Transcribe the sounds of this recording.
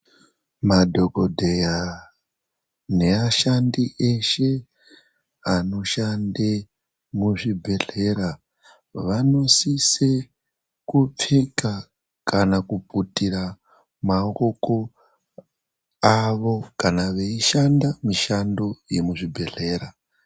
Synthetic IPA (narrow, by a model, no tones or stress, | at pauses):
madʱo̞ko̞dʱeja | ne̞aʃandieʃe̞ | ano̞ʃande | muʐibʱe̞ɮe̞ɾa | ʋano̞sise | kup͡feka | kanakuputiɾa | maoko | aʋo̞kanaʋe̞iʃandamiʃandoje̞muʐibʱe̞ɮe̞ːɾa